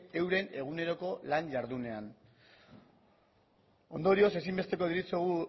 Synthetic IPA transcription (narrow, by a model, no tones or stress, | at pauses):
e̞wɾe̞ne̞ɣ̞une̞ɾo̞ko̞lanʎaɾðune̞an | o̞̰nd̪o̞ɾio̞se̞simbet̪e̞ko̞ðiɾit͡seɣu